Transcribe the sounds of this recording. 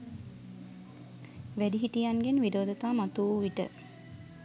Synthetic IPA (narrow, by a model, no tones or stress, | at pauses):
ʋædiɦiʈijanɡenʋidoːd̪ət̪aːmat̪uʋiʈə̰